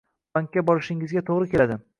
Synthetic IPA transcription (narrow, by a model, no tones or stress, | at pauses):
baŋkʲːabɒɾɪʃɪŋɪzɡʲat̪ʰoʁɾɪkʲe̞lad̪ɪ